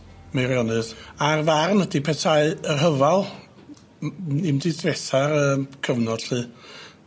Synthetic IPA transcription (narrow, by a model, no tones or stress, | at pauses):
mejɾjɔnɨðarvarnd̥ipʰɛtʰaɨərɦəvalˠ | ɨmdidvɛθaɾəkʰəvnɔd̥ɬɨː